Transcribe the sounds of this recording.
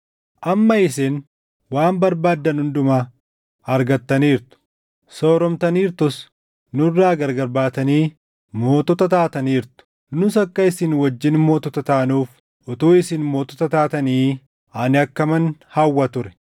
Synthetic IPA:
ʔɐmːɐɪsen | waːmbɐɾbaːd̪ːɐnhʊnd̪ʊmaː | ɐɾɡɐt̪ːɐniːɾt̪ʊ̥ | so̞ːɾɔmt̪ɐniːɾt̪ʊs | nʊrːaːɡɐɾɡɐɾbaːt̪ɐniː | mo̞ːt̪ɔt̪ɐt̪aːt̪ɐniːɾt̪ʊ̥ | nʊsɐkːɐɪsɪnwɐd͡ʒːɪnmo̞ːt̪ɔt̪ɐt̪aːnuːf | ɔt̪uːɪsɪnmo̞ːt̪ɔt̪ɐt̪aːt̪ɐniː | anɪɐkːɐmɐnhɐwːɐt̪ʊɾɛ̥

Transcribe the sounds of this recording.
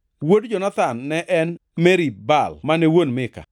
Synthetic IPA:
wodd͡ʒɔnat̪anːɛʔɛnmɛɾibalmanɛwonmɪka̰

